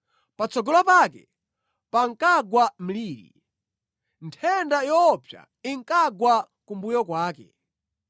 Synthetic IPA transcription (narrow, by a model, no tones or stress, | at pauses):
pat͡sɔɡɔlapaːkɛ | paŋ̩kaɡwam̩liːɾḭ | ntʰɛndajɔpʰja̰ | iŋkaɡwa | kumbujɔkwaːkɛ̰